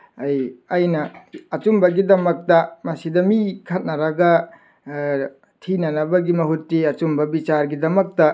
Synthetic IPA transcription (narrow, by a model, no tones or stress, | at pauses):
ɐjɐjnɐɐt͡ʃumbɐɡidɐmɐk̚tɐmɐsidɐmikʰɐt̚nɐɾɐɡɐ | tʰinɐnɐbɐɡimɐɦutːiɐt͡ʃumbɐbit͡ʃaɾɡidɐmɐk̚tɐ